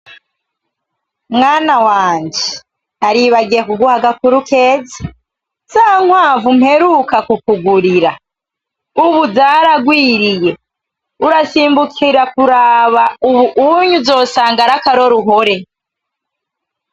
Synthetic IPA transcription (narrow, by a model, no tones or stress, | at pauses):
mŋaːnawaːɲd͡ʒe | naɾiβaɡiekuɡuhaɡakuɾuke̞ːzi | saːŋ̥waːvum̥he̞ɾukakukuɡuɾiɾa | uβuzaːɾaɡwiːɾije̞ | uɾasiːmbukʰiɾakuɾaːβauβuʔuɲuzo̞ːsaːŋɡaɾakaɾo̞ɾuɦo̞ɾe̞